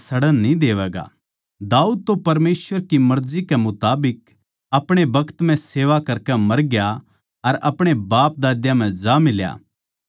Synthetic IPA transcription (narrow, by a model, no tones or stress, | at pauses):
sɐɽənnĩd̪eːʋɛːɡa̰ | d̪aːuːd̪̚t̪opɐɾmeːsʋəɾkimɐɾzikɛmʊt̪aːbɪk̚ | ɐpɽ̃ebɐkt̪m̤ɛ̃seːʋakɐɾkɛmɐɾɡja | ɐɾʔɐpɽ̃ebaːp̚d̪aːd̪jãm̤ɛ̃d͡ʒamɪlja̰ː